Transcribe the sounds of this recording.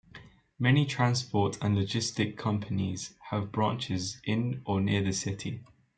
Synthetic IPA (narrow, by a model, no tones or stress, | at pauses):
mɛnitʰɹ̥ãnspɔˑtʰə̃nləd͡ʒɪstɪkʰːʌ̃mpʰəniz̥əvbɹɑ̃ˑnt͡ʃɪzʔɪ̃nʔənɪəðəsɪtʰi